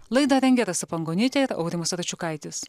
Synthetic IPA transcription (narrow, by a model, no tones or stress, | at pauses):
lˠɐɪd̪ɐɾʲɛŋʲɡʲɛɾɐsɐpɐŋɡoːnʲɪt̪ʲɛɪɾɐ̰ʊɾʲɪmɐsɾɐt͡ʃʲukɐɪt̪ʲɪs